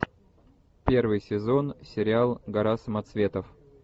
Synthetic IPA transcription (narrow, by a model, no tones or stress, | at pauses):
pʲe̞rvɨjsʲɪzo̞nsʲɪɾʲɪalˠɡɐɾasəmɐt̪svʲe̞t̪əf